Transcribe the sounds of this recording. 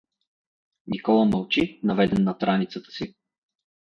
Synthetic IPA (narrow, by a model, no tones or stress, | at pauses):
nikɔlˠəmɐlˠt͡ʃinɐvɛd̪ɛnːɐt̪ɾanit̪sət̪ə̥si